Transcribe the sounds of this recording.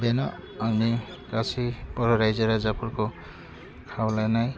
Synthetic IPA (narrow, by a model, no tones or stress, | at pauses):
benɔani | kasʰipɔɾɔɾajzeɾazapʰuɾko | kʰawlajnaj